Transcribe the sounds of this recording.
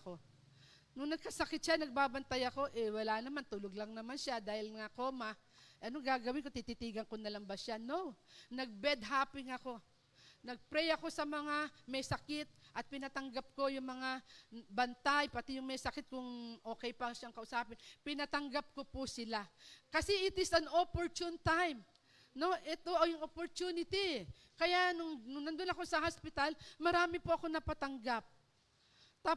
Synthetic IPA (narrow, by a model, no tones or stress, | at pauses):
ko̞ | nʊŋnɐɡ̚kɐsɐkɪt̪̚ʃanɐɡ̚baːbɐnt̪ajɐko̞ʔɛwɐlaʔnɐmant̪ʊloɡlɐŋnɐmanʃad̪aːhɪlŋɐko̞ːmɐ | ʔɐnoɡaːɡɐwɪnko̞t̪it̪it̪iːɡɐŋkʊnɐlaŋbɐʃanonɐɡ̚bɛd̪̚ɦaːpɪŋɐko̞ | nɐɡ̚pɾɛjɐko̞sɐmɐŋamɛjsɐkɪt̪̚ʔɐt̪̚pɪnat̪ɐŋɡap̚ko̞jʊŋmɐŋabɐnt̪ajpɐt̪ijʊŋmɛjsɐkɪt̪̚kʊŋʔo̞ːkɛjpɐʃaŋkɐʔʊsaːpɪnpɪnat̪ɐŋɡap̚kopʊsɪlakɐsɛʔɪt̪ɪsɐnopoɹt͡ʃ̪ʊnt̪ajm | no̞ʔɛt̪oʔɐjʊŋʔopoɹt̪unɪt̪i | kɐjaʔnʊŋnʊŋnɐnd̪onɐko̞sɐhaspɪt̪almɐɾaːmɪpoʔɐko̞nɐpɐt̪ɐŋɡap̚ | t̪a